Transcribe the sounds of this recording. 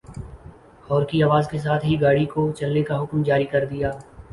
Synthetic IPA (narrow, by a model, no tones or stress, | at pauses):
ɔːɾkiaːʋaːzkes̬aːt̪ʰɦiɡaːɽikot͡ʃɐlnekaɦʊkmd͡ʒaːɾikɐɾd̪ijaː